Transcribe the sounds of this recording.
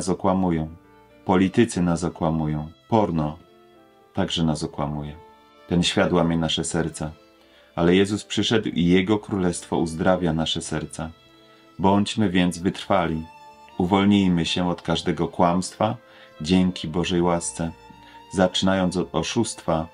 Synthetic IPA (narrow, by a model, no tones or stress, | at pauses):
sɔkwamujɔ̃w̃ | pɔlʲit̪ɘt̪sɘnasɔkwamujɔ̃w̃pɔɾnɔ | t̪aɡʐɛnasɔkwamujɛ | t̪ɛnɕfʲjad̪wamʲjɛnaʂɛsɛɾt̪sa | ʔalɛjɛzuspʂɘʂɛd̪wijɛɡɔkɾulɛst̪fɔ̰uzd̪ɾavʲjanaʂɛsɛɾt̪sa | bɔɲd͡ʑmɘvʲjɛnd̪zvɘt̪ɾfalʲi | uvɔlɲijmɘɕɛɔt̪kaʐd̪ɛɡɔkwamst̪fa | d͡ʑɛŋkʲʰibɔʐɛjwast̪sɛ | zat͡ʂɘnajɔnt̪sɔd̪ɔʂust̪fa